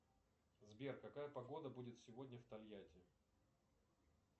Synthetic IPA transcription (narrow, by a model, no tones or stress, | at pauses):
zbʲerkɐkajəpɐɡo̞d̪əbudʲɪt̪sʲɪvo̞dʲnʲəft̪ɐlʲjatʲɪ